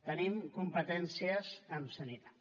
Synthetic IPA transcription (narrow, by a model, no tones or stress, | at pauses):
t̪ənimkumpət̪ɛnsiəzəmsənit̪ḁ